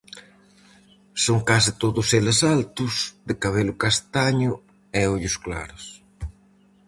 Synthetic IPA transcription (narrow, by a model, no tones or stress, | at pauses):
soŋkasɪt̪oðʊselesalt̪ʊsd̪ɪkaβ̞elʊkast̪aɲʊ | ɛoʎʊskla̰ɾʊs